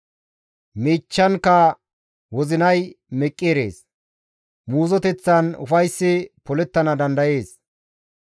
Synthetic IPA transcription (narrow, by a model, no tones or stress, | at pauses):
miːt͡ʃːɐnkːɐ | wɔzɪnɐjmɛkʼːeːɾe̞̰ːs | muːzɔt̪ɛt͡sːɐnʊ̰fɐjsːɪpɔlɛt̪ːɐnɐd̪ɐnd̪ɐje̞ːs